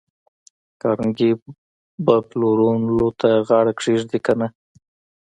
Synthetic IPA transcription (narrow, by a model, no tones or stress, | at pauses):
kɑɾŋɡi | baploɾunlot̪ʰaɣɑɽakʂiʐd̪ikana